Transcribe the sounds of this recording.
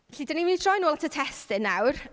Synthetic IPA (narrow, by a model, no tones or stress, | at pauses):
ɬiːdənimindrɔjnoːlˠatʰətʰɛstɪnːawr